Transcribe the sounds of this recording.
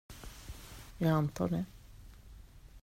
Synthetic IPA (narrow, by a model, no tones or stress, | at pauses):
jɑːɡant̪ʰɑ̰ːɖɛ